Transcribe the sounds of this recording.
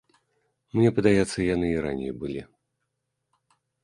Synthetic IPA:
mnʲɛpɐd̪ajɛt̪sːɐjanɨiɾa̰nʲːḛjbɨlʲḭ

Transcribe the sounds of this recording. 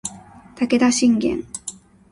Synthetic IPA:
t̪aked̪aɕiŋɡʲḛŋ

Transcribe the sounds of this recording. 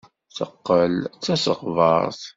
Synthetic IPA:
θə̰qːəlt͡sːæsəʁvə̰ɾˤθ

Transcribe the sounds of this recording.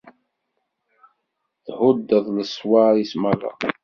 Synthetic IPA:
θhʊd̪ːəðˤləsˤwaɾismalˤa̰

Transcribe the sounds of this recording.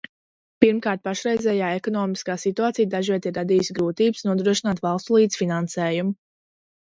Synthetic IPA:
piɾmkaːɾt̪̚paʃɾɛjzʲɛːjaːekɔnɔːmiskaːsit̪uaːt̪sijd̪aʒiɛt̪iɾːad̪iːjsɡɾuːt̪iːbɨsnuɔd̪ɾuɔʃinaːt̪vɑlˠst̪lˠiːd̪sfinansɛːjumʊ

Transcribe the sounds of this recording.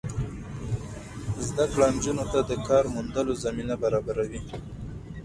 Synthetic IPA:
zd̪akɽand͡ʒunot̪ad̪əkɑɾmund̪əlozaminabaɾɑbaɾawi

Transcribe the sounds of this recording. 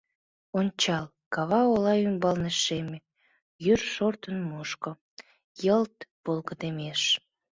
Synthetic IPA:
onʲt͡ɕɑl | kɑβɑolɑymbɑlneʃeme | jyrʃort̪ənmoʃko | jəlt̪b̥olɣəd̪emeʃ

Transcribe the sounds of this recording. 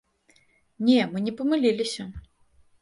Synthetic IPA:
nʲɛmɨnʲɛpɐmɨlʲilʲisʲɐ

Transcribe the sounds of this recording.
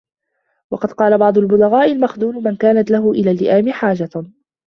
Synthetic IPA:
wɑqɑd̪̚qɑːlabɑʕd̪ˤʊlbʊlaɣaːʔɪlmaxd̪uːnmankaːnat̪laɦʊʔɪlaːlːɪʔaːmɪħaːd͡ʒa

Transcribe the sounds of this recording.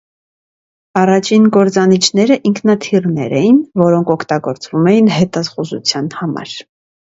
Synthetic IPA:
ɑrɑt͡ʃʰinɡɔɾt͡sɑnit͡ʃʰnɛɾəʔiŋkʰnɑt̪ʰirnɛ̰ɾɛjinvɔɾɔŋkʰɔkʰt̪ɑɡɔɾt͡svumɛjinɦɛt̪ɑsχuzṵt͡sʰjɑnhɑmɑ̰ɾ

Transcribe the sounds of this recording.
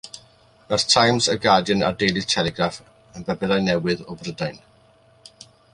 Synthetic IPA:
b̥ɛrθtʰajmsəɡadjəna̰dejlˠɨ̥tʰɛlɛɡraf | ənbɛbɛɾajnɛwɨðɔbrədajn

